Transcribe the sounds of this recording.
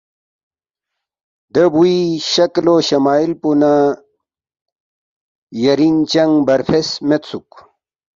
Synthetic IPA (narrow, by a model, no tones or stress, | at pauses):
d̪əbuiɕɐkloɕɐmaːilpuna | jɐɾiŋt͡ɕɐŋɡbɐɾfʰesmet̪suk